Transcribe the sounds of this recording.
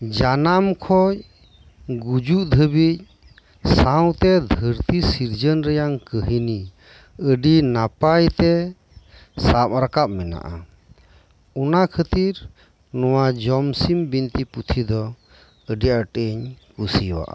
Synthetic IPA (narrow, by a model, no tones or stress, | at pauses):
d͡ʒanamkʰɔj | ɡud͡ʒuʔd̪ʱəbic̚ | saw̃t̪ɛd̪ʱəɾt̪isiɾd͡ʒənɾɛjaŋkəɦini | əɖinapajt̪ɛ | sapɾakap̚mɛna̰ʔa̰ | ɔnakʰət̪iɾ | nɔwad͡ʒɔmsimbint̪iput̪ʰid̪ɔ | əɖiaʈəɲkusiwa̰ʔa̰